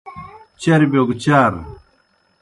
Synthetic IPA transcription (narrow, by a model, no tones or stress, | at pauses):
t͡ɕɐɾibjoɡt͡ɕaːɾ